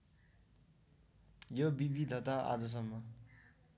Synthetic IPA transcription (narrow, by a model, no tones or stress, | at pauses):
jobibid̪ʱʌt̪aʔa̰d͡zʌs̬ʌmːʌ